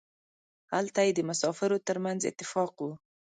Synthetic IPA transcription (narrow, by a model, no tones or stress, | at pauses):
halt̪ajed̪əmasɑfɪɾot̪əɾmanzɪ̰t̪ːɪfɑqwu